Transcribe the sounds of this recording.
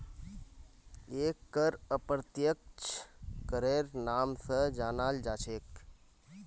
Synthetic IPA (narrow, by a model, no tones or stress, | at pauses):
eːkːəɾəpɾət̪jək̚t͡ʃʰkəɾeɾnaːmsəd͡ʒaːnaːld͡ʒaːt͡ʃʰeːk